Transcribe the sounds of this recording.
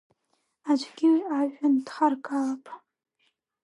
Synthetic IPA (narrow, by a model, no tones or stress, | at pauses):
ad͡ʒʷʼɡʲɪwaʒᶣːand̥χarɡalapʼ